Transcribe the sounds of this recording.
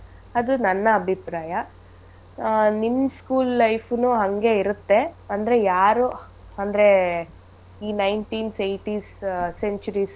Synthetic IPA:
ɐd̪unɐnːɐːbʱipɾaːjɐ | nimːskuːlːɐjpʰnuɦɐŋɡe̞iɾut̪ːe̞ɐnd̪ɐɾe̞jaːɾu | ɐnd̪ɾe̞ | iːnɐjnʈiːnsejʈiːsseɲt͡ʃuɾis

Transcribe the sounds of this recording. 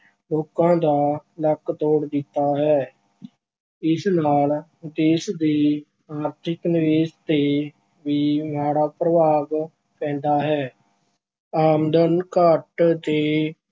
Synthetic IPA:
loːkãːd̪aːləkt̪oːɽd̪ɪt̪ːaːɦɛː | ɪsnaːld̪eːsd̪iː | aːɾt̪ʰɪknɪʋeːd͡ʒt̪eː | ʋiːmɦaːɽaːpɾəʋaːɡ | pɛ̃ːnd̪aːɦɛː | aːmd̪ənkəʈt̪eː

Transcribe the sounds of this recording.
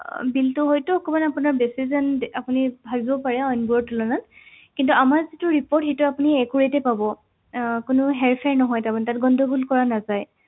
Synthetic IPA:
biltʊɦojtʊːkɔmanapunaɹbesizanapunibʱabibɔpaɹɛɔjnbuɔɹtulɔnan | kintuamaɹzitʊɹipɔɹtɦejtʊapuniɛkuɹetɛpabɔ | kʊnʊɦɛɹpʰɛɹnɔɦɔjtamantatɡɔndʱɔɡulkɔɹanazaj

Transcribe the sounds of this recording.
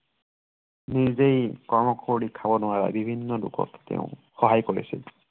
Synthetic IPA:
nizejkɔɹmɔkʰoɹikʰabɔnʊwaɹa̰bibʱinːɔlʊ̰kʰɔ̰ktḛʊ̃xɔɦajkoɹiasḭl

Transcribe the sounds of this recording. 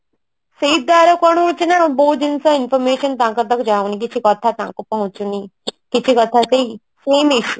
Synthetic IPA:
seid̪aɾɔkɔɽ̃ũt͡ʃʰinaɔ̃bɔɦud̪insɔinfɔɾmeːʃɔnt̪ãːŋkɔd̪ɔkd͡ʒawnik̬it͡ʃʰikɔt̪ʰat̪ãkupɔɦũt͡ʃunikit͡ʃʰikɔt̪ʰasei | seːmiʃu

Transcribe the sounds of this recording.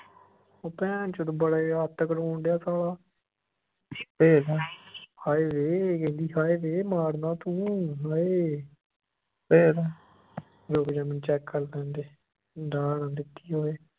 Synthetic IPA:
oːpɛ̃ːnt͡ʃət̪obəɽaat̪ːəkəɾõːɳɖjaːsaːlaː | peːɾahaːeːʋeːkẽːnd̪iːɦaːeːʋeːmaːɾnaːt̪ũːɦaːeː | peːɾː | ɾoːkːd͡ʒãːmɪnt͡ʃɛːkːəlt̪ɛ̃ːnd̪eː | ɖaːɽãːd̪ɪt̪ːiːɦoːeː

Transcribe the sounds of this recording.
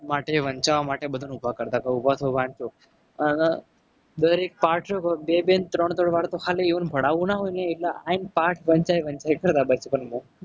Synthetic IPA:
maʈeʋəɲt͡ʃaʋamaʈebəd̪ʱunubʱakəɾt̪akəubʱat̪ʰoʋãnt͡ʃo | ən | d̪əɾek̚paʈʰɾokobebent̪ɾəɳ̃t̪oɽʋaɽt̪okʰaleiʋənbʱəɽaʋũnaɦojneiʈlaãnpaʈʰʋəɲt͡ʃajʋə̃ɲt͡ʃajkəɾt̪abəɾt͡ʃəpənbo

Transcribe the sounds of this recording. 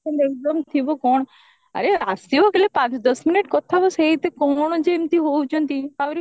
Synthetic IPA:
ɔnd̪ek̚d̪ɔmt̪ʰibokɔɳ̃ | a̰ɾeasibokelepãt͡ʃd̪ɔsmineʈkɔt̪ʰabɔseɦit̪ekɔɳd͡ʒemt̪iɦowt͡ʃʰɔnt̪iawɾi

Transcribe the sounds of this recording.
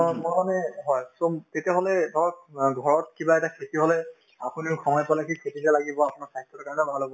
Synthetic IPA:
mɔmanɛɦɔjsɔtetiaɦolɛdʱɔɹɔk̚ɡʱɔɹɔtkibaɛtakʰetiɦolɛ | apunikʰɔŋɔjpalakʰikʰetitalaɡibɔapunaɹsaɦit̪ʰːɔtɔkaɹɔnɛbʱalobɔ

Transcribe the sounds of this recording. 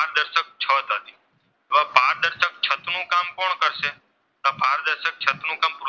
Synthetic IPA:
aɾd̪əɾʃək̚t͡ʃʰət̪ɦət̪i̥ | oapaɾd̪əɾʃək̚t͡ʃʰət̪nũkamkoɳkəɾʃe | t̪apaɾd̪əɾʃək̚t͡ʃʰət̪nũkampɾ

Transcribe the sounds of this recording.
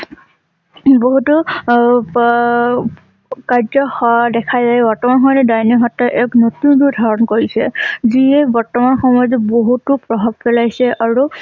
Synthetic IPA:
boɦutu | kaɹzɔxɔdɛkʰajzajbɔɹtɔmanxɔdɛdajnɔɦɔtɔʔɛknotuntudʱaɹɔnkoɹisɛziɛbɔɹtɔmanxɔmɔjzɛboɦutupɹɔbʱab̚pɛlajsɛʔaɹu

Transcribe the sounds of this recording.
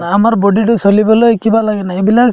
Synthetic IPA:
amaɾbɔɖiʈɔsɔlibɔlɔekibalaɡenaebila

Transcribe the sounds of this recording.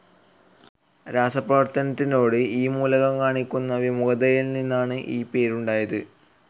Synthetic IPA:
ɾaːsɐprɐʋɐrt̪ɐnɐt̪ːino̞ːɽɨiːmuːlɐɣɐmkaːɳikʲːunːɐʋimuɣɐðɐjilninːaːɳɨʔiːpe̞ːɾuɳɖaːjɐðɨ

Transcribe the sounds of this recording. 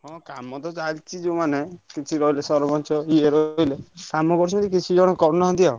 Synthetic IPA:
ɦɔ̃kamɔt̪ɔt͡ʃalt͡ʃʰid͡ʒemanekit͡ʃʰiɾɔilesɔɾbɔnt͡ʃʰɔieɾɔɦilekamɔkɔɾuimat̪ikit͡ʃʰid͡ʒɔɽ̃ɔkɔɾnɔɦɔ̃nt̪ijɔ

